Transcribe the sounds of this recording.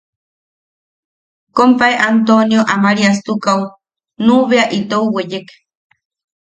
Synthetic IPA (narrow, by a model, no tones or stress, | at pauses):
kompaeʔant̪onjoʔamaɾiast̪ukaw | nuβeaʔit̪ouwejek